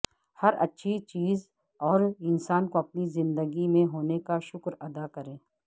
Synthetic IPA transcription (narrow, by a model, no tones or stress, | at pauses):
hɐɾɐ̰tːʃʰit͡ʃiːz | ɔːɾɪnsaːnkoɐp̚nizɪ̃nd̪əɡimẽɦoːnekaʃʊkɾɐd̪akɐɾẽː